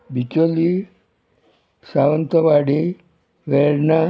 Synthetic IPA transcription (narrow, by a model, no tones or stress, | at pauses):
bit͡ɕoli | saʋənt̪əʋaɽi | ʋeɾna